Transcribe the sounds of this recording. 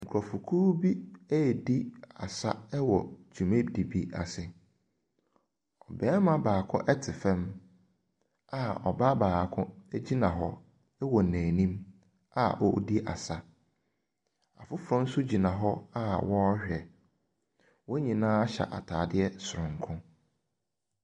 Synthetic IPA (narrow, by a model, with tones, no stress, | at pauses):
ŋ̩˨kʰɾɔ˨fu˨kʰuː˦bi˦æ˦˨di˦a̰˨sa˦ɛ˦wɔ˨d͡ʑi˨mẽ˦di˨bi˦a̰˨sɪ˨ | ɔ˨bɛː˦mã˦baː˨kʰʊ̃˦ʔɛ˦tʰɪ˨fɛ̃˦m | a˨ɔ̰˨ba˦baː˨kʰʊ̃˦d͡ʑi˦nã˨ɦɔ˦ | ɛ˦wɔ˨næ̃ː˨nĩ˦m | a̰˦ʔɔ̰˦di˦ʔa̰˨sa˦ | a̰˨fʊ˦fɾɔ̃˦n̩˦sʊ˦d͡ʑi˨nã˨ɦɔ˦a˦wɔ˦hɛ˨ | wɔ˦ɲĩ˨nãː˦a˦ɕa̰˨ʔa̰˨tʰaː˨dɪ˦ɛ˦sʊ˨ɾʊ̃˨ŋ˨kʰʊ̃˦